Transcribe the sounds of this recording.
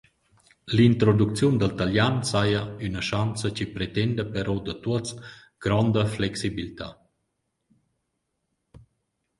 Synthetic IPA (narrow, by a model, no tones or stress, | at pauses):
lint̪ɾod̪ukt͡sjund̪əlt̪aljansajəynəʃant͡səcipɾet̪ɛnd̪əpɛɾɔd̪ət̪uət͡s | ɡ̥ɾɔnd̪əflɛksibilit̪a̰